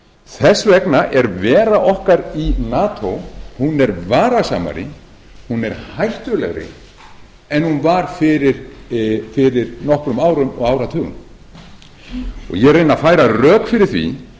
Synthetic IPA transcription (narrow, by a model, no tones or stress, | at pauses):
θɛsːvɛknaʔɛɾvɛːɾaʔɔhkaɾinaːt̪ʰowhunɛɾvaːɾasa̰ːma̰ɾɪ̰ | hunɛɾ̥hajht̪ʏlɛ̰ɣɾɪ̰ | ɛnhunvaɾ̥fɪɾɪɾ | fɪɾɪɾnɔhkɾʏmaːwɾʏmɔ̰ɣaːwɾat̪ʰœːɣʏ̰m | ɔ̰ɣjɛrejnafaːjɾarœːkfɪɾɪɾ̥θvḭ